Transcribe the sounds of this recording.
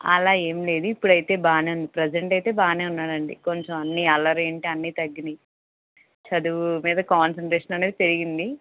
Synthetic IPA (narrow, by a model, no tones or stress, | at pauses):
ɐ̰laːe̞ːmle̞ːd̪uipːuɽɐjt̪e̞ːbaːneːund̪ipɾed͡ʒeɳʈɐjt̪e̞ːbaːneːunːaːɾɐɳɖḭko̞ɲt͡ʃɐmɐnːiɐlɐɾeːɳʈeɐnːit̪ɐɡːini | t͡ʃɐd̪uʋumiːd̪ɐkaːnsɐɳʈɾeːʂɐnɐneːd̪it̪e̞ɾiɡind̪i